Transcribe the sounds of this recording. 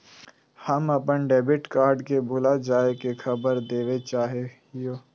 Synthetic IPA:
həmɐpənɖeːbɪʈkaːɾɖkebʱʊlad͡ʒaːekexʰəbəɾd̪eːʋet͡ʃaːɦe | joː

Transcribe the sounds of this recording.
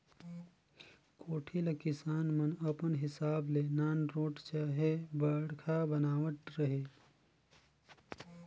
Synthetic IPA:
kʰoːʈʰilkɪsaːnmənɐpənɦɪsaːblenaːnɾoːʈt͡ʃaːɦebəɽkʰabənaːʋəʈ̪ɾəɦeː

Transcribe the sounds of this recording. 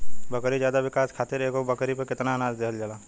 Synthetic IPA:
bɐkɾizjaːd̪aʋɪkaːskʰaːt̪ɪɾeːkobɐkɾipɐkɪt̪naːnaːd͡ʒd̪eɦəld͡ʒalaː

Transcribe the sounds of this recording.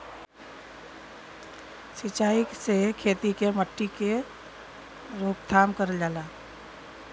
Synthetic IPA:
sit͡ʃaːiksekʰeːt̪ikeməʈʰːike | ɾoːkt̪ʰamkəɾd͡ʒaːla

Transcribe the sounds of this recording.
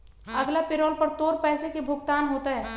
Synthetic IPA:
ɐɡlapɪɾoːlpɐɾt̪oːɾpɛːsekebʱʊɡt̪aːnɦoːt̪aɦɛː

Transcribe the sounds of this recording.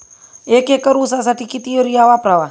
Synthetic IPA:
ekekəɾusas̬aʈikit̪ioɾiawapɾawa

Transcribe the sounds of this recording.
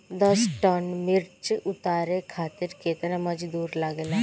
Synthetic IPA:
d̪ɔsʈɔnmɪɾt͡ʃʊt̪aːɾekʰaːt̪ɪɾkeːt̪ənemɐd͡ʒd̪uːɾləɡele

